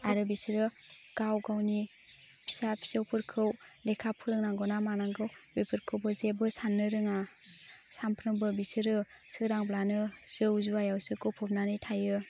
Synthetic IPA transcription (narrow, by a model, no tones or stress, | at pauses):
aɾɯbisɯɾɯɡ̥awɡawni | pʰi̥sapʰi̥sɯwpʰɯɾkʰɯwlekʰapʰɯɾɯŋnaŋɡɔnamanaŋɡɯwbipʰɯɾkʰɯwbɯzebɯsanːɯɾɯŋa | sampʰɾɯŋbɯbisɯɾɯsɯɾaŋblanɯz̥ɯwzuajawsɯkɯwpʰɯp̚nanɯjtʰajɯ